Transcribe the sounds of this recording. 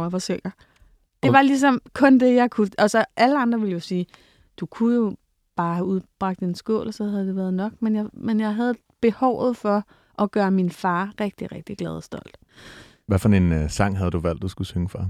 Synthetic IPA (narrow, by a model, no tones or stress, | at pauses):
ʋɑ̈søŋ̰ɐ | d̥e̝ʋɑ̈lis̬ɒ̽mkʰɔ̽nd̥e̝jɑ̈ɪkʰuæsɒ̽ʔæləɑ̈nd̥ʁɐʋe̝ləjo̝siː | d̥ukʰujo̝ | b̥ɑ̈ːhæuð̞ˠb̥ʁɑ̈ɡ̥̚d̥e̝nsɡ̥ɔ̰ːlɒsɒ̽hæðˠd̥e̝ʋæːɐð̞ˠnɒ̽ɡ̥menjɑ̈ɪmenjɑ̈ɪɦæð̞̩ˠ | b̥e̝hɒʊ̰ð̩ˠfɒ̽ | ʔɒ̽ɡ̥ɶːɐminfɑ̈ːʁɛɡ̥̚d̥iʁeɡ̥̚d̥iɡ̥lɛːð̞ˠɒsd̥ɒ̽l̰d̥ | ʋæfɒensɑ̈ŋ̰ɦæð̞̩ˠd̥uʋæl̰d̥ːusɡ̥usøŋəfʁɑ̈